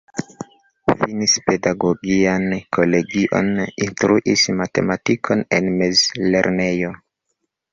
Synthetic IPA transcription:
finispedaɡoɡiankʰole̞ɡiʔo̰ninstɾuʔismate̞̰matikʰo̞nenmezle̞̰ɾne̞jo

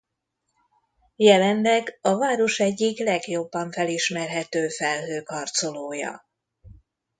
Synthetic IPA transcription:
jɛlɛnlɛɡɒvaːɾo̞ʃɛɟːiklɛɡjo̞bːɒɱfɛliʃmɛrɦɛt̪øːfɛlɦøːkɒrt̪so̞loːjɒ̰

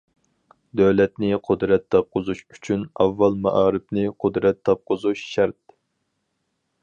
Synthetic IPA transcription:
d̪øwlɛt̪nɪqʰʊd̪ɾɛt̪ʰːɑp̚qʊzuʃyt͡ʃʰynɑ̰vːɑlˠmɑ̰ʔɑːɾɨp̚nɪqʰʊd̪ɾɛt̪ːɑp̚qʰʊzuʃʃæɾt̪

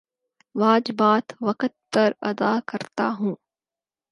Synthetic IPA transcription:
ʋaːd͡ʒɪbaːt̪ʋɐkət̪̚pɐɾɐ̰d̪aːkɐɾt̪aɦũː

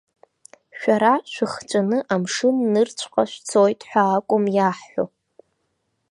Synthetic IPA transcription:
ʃᶣaɾaʃʷᶣɨχt͡ʃʷʼanɨʔamʂɨnːɨrt͡ɕʷʰqʼaʃʷᶣt͡sʰojtʼħʷaːkʷʼʊmjaħːʷo̰

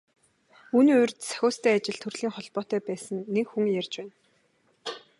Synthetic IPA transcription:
uːniːʊrʲt̪sæ̥xʲʊːst̪ʰæːat͡ɕɪ̆ɮt̪ʰɵrɮ̥iːŋχɔɮpɔːt̪œːpæːsə̆ŋːekxuŋjærʲt͡ɕpæːn

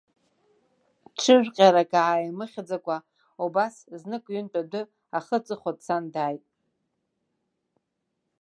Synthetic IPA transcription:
ʈ͡ʂʰɨʒᶣqʲʼaɾakʼaʕajimɨχʲd͡zakʷʼa | ubasznɨkʼɥʏnpʼadɨ | aχət͡sʼɨχʷadt͡sʰandaːjtʼ

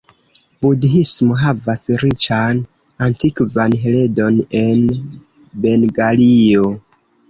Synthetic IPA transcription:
budɦismo̞ɦavasɾit͡ʃan | antikvanɦele̞do̞ne̞n | be̞nɡalio

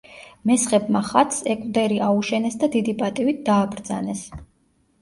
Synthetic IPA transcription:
mɛsχɛbmaχat̪ʰsɛkʼvd̪ɛɾiauʃɛnɛsd̪ad̪id̪ipʼat̪ʼivit̪̚d̪aːbɾd̪za̰nɛs

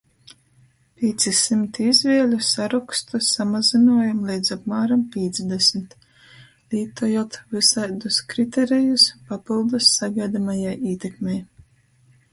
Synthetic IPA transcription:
pʲiɛt̪sisimt̪izvʲiɛlʲusaɾɔkst̪usamazinuɔjamlʲˠijd̪zapmaːɾampʲiɛt̪zd̪ɛsmʲt̪ | lʲiːt̪ujot̪vɨsajd̪uskɾit̪ɛɾijuspapilˠd̪usːaɡajd̪amajajiːt̪ɛkmʲɛj

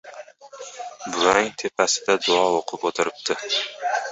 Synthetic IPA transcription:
bʊɾaŋt̪ʰe̞pʰasɪd̪ad̪ʊɒoqʰɨpot̪ʰɪɾɪp̚t̪ʰɪ

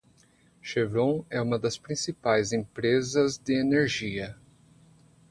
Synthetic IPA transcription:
ʃevɾõɛũmɐd̪ɐspɾĩsipajzẽpɾezɐzd̪ɪeneɾʒiɐ

